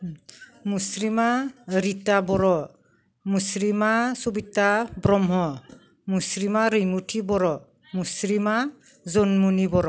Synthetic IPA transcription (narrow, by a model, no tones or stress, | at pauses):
musɾimaɾitabɔɾɔ | musɾimasubitabɾɔmɦɔ | musɾimaɾɯjmutʰibɔɾɔ | musɾima | zonmunibɔɾɔ